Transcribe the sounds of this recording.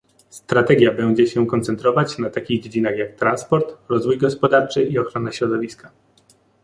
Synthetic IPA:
st̪ɾat̪ɛɡʲjabɛɲd͡ʑɛɕɛkɔnt̪sɛnt̪ɾɔvat͡ɕnat̪akʲiɣd͡ʑed͡ʑinaxjak̚t̪ɾanspɔɾt̪ɾɔzvujɡɔspɔd̪aɾt͡ʂɘʔiɔxɾɔnaɕɾɔd̪ɔvʲiska

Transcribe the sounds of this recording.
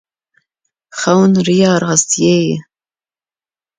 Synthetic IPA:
χawnrijaːrʁaztʰjej

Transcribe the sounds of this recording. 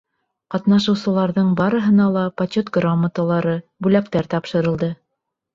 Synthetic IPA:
qɑt̪nɑʃɤ̆wsɤ̆lˠɑɾðɤɴbɑɾɤ̆ɦɤ̆nɑlˠɑpɐt͡ɕot̪ɡromːət̪əlˠɑɾɤbʉlækt̪æɾt̪ɑpʃɤ̆ɾɤ̆lˠd̪ɤ

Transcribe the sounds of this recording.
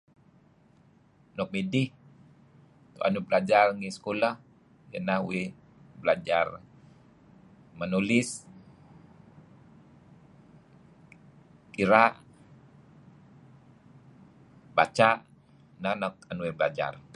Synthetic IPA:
nɔk̚midih | k̪oʔa̰nubəlad͡ʒarŋisə̥kolah | jə̰nahuwe | bəlad͡ʒar | mənulɪs | kiɾaʔ | bat͡ʃaʔ | nahnɔk̚anuwebəlad͡ʒa̰r

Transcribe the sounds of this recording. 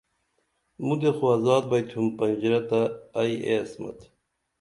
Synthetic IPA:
mud̪exuɐzɑːd̪̚bɐjt̪ʰhumpɐnʲd͡ʑiɾɐt̪aːjḛsmɐ̰t̪

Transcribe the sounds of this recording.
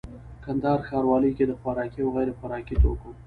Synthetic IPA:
kand̪ɑɾxɑɾwɑləjked̪əxwaɾɑkiawɣajɾexwaɾɑkit̪o̰ko

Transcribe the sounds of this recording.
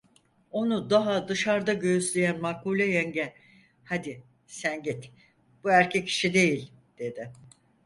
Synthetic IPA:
o̞nud̪aɦad̪ɯʃaɾd̪aɟøyslʲejænmakulʲɛjɛɲɟɛ | had̪i | sænɟit̪ | b̥uæɾcʰɛcʰːi̥ʃid̪e̞jilʲ | d̪̥e̞d̪ɪ

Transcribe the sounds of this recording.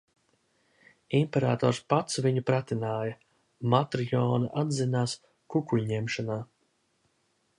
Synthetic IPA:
impɛɾa̰ːt̪ɔːɾspat̪sviɲupɾat̪inaːja | mat̪ɾjɔːnaʔad̪zinaːs | kukuʎɲɛmʃanaː

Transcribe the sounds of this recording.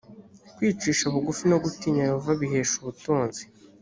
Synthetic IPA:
kwiːt͡ʃiːʃaβuɡufino̞ɡutiːɲaje̞hovaβiɦe̞ːʃuβutuːnzi

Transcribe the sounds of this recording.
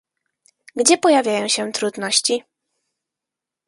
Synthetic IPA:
ɡd͡ʑɛpɔjavʲjajɔ̃w̃ɕɛt̪ɾud̪nɔɕt͡ɕi

